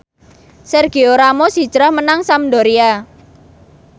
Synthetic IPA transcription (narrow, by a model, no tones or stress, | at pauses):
sɛrɡ̥ioɾamosi̥d͡ʒɾahmənaŋsamdoɾia